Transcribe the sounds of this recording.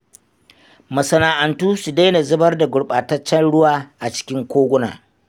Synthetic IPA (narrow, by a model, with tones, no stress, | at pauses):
mɐ˨sɐ˨naː˨ʔa˨ntuː˦su˨da˦na˨zʊ˦bɐ˦rda˨ɡʷʊ˨ɽɓaː˨tɐ˦t͡ʃːɐ˦nɽʊ˦waː˨ʔa˨t͡ʃɪ̥˦kʲɪ˦ŋkʷoː˦ɡʷʊ˦na̰ː˨